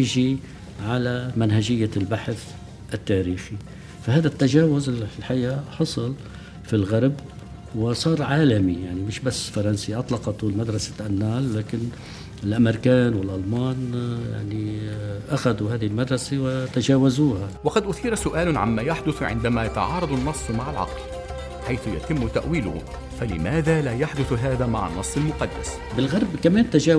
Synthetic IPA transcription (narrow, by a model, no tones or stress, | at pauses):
ɪʒi | ʕalamanɦaʒɪjːalbaħθ | ʔt̪ːaːɾiːxi | fahaːðat̪ːaʒaːwʊzɪlħajaːħɑsˤɨl | filɣaɾˤb | wɪsˤɑːɾˤʕaːlamijaʕnimɪʃbasːfɑɾˤɑnsiʔɑt̪ˤlɑqɑt̪ulmad̪ɾˤɑsḁʔanːaːlˤlaːkɪn | ɪlʔameɾkaːnwɪlʔalmaːnja̰ʕniʔaxad̪uhaːðihɪlmad̪ɾˤɑsewɪt̪aʒaːwazuːhawɑqɑd̪ʔʊθiːɾˤɑsʊʔaːlʊʕa̰mːaːjaħd̪ʊθʕɪ̰nd̪amaːjat̪ɑ̰ʕɑːɾˤɑd̪ˤɑnːɑsˤːmaʕalʕɑ̰ql | ħajθʊja̰t̪ɪmːʊt̪aʔwiːlʊ̰hʊ̰ | falɪ̰maːðaːlaːjaħd̪ʊθɦaːðaːma̰ʕa̰nːɑsˤːɑlmʊqɑd̪ːa̰s | bɪlɣɑɾˤbkameːnt̪aʒaː